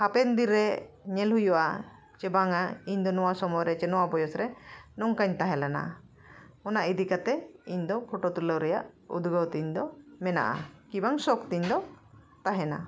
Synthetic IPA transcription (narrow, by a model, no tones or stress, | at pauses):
hapɛnd̪iɾːɛɲɛlɦujuʔa̰ | t͡ʃɛbaŋaiɲd̪ɔnɔwasɔmɔjɾɛt͡ʃɛnɔwabɔjɔsɾɛnɔŋkaɲt̪aɦɛlɛna̰ | ɔnaʔid̪ikat̪ɛiɲd̪ɔpʰɔʈɔt̪uləwɾɛja̰ʔṵd̪ʱɡəwt̪iɲd̪ɔmɛna̰ʔa̰kibaŋsɔkt̪iɲd̪ɔ | t̪aɦɛna̰